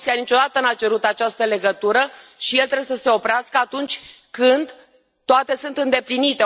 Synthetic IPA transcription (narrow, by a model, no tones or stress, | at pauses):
sijanit͡ʃo̞d̪at̪ənat͡ʃe̞ɾut̪at͡ʃast̪əle̞ɡət̪uɾəʃije̞lt̪ɾejesəse̞o̞pɾeaskəat̪unt͡ʃʲ | kɨnd̪ | t̪ːoat̪e̞sunt̪ɨnd̪e̞plinit̪e̞